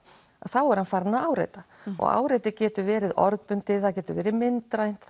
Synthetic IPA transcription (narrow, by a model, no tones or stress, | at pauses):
aðθawɛɾ̥hanfaɾnaaːwɾḛjt̪a | ʔɔ̰ɣa̰ːwɾejt̪ɪcɛːt̪ʏvɛːɾɪðɔɾðpʏnt̪ɪθaðcɛːt̪ʏvɛːɾɪðmɪnt̪ɾajn̥t̪